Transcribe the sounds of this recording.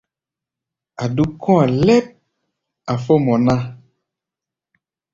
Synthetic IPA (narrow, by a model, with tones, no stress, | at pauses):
a˨ɖu˦kɔ̃˦a˨lɛ˦p̚ | a˨fɔ˦mɔ̃˨nã˦